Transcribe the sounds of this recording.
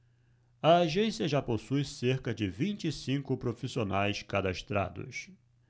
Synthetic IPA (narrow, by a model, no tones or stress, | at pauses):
ɐːʒẽsiɐʒaposujseɾkɐd͡ʒɪvĩnt͡ʃɪsĩkʊpɾofisionajskad̪aʃt̪ɾa̰d̪ʊ̰s